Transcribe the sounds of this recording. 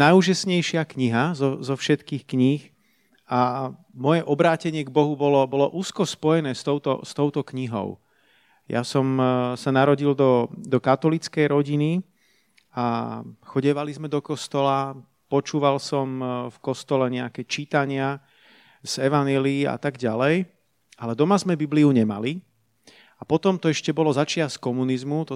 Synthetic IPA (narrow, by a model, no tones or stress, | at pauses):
najuʒasɲɛjʃɪakɲiɦazɔzɔfʃɛt̪kiːxkɲix | amɔjɛʔɔbɾaːcɛɲɪɛɡbɔɦubɔlɔbɔlɔʔuːskɔspɔjɛnɛːst̪ɔʊt̪ɔ̰st̪ɔʊt̪ɔkɲiɦɔ̰ʊ | ja̰sɔmsanaɾɔɟild̪ɔd̪ɔkat̪ɔlit͡skɛjɾɔɟini | axɔɟɛʋalizmɛd̪ɔkɔst̪ɔla | pɔt͡ʃuːʋalsɔmfkɔst̪ɔlɛɲɛakɛːt͡ʃit̪aɲɪa | z̥ɛʋaɲjɛliːa̰t̪aɡɟalɛj | alɛd̪ɔmazmɛbibliuɲɛma̰li | apɔt̪ɔmt̪ɔɛʃcɛbɔlɔzat͡ʃɪaskɔmunizmut̪ɔ